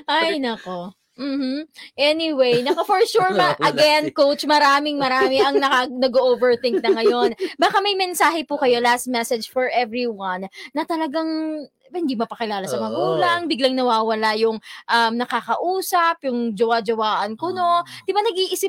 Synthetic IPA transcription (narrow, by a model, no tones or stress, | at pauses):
ʔajnɐko | m̩hm̩ʔɛnɪwejnɐkofɔɹʃuɹɐɐɡɛnkowt͡ʃmɐɾaːmɪŋmɐɾaːmɪʔɐŋnɐkanɐɡoʔovɛɹθɪŋk̚nɐŋɐjo̞nbaːkɐmɐjmɛnsaːɦɛpʊkɐjo̞last̪̚mɛsɛd͡ʒfɔɹʔɛvɹiwɐnːɐt̪ɐlɐɡaŋ | hɪnd̪iːmɐpɐkɪlaːlɐsɐmɐɡuːlɐŋbɪɡlɐŋnɐwaːwɐlajʊŋʔɐmnɐkakɐʔuːsɐpjʊŋd͡ʒɐwad͡ʒɐwaːʔɐnkono̞d̪ɪbanɐɡiʔɪsɪp̚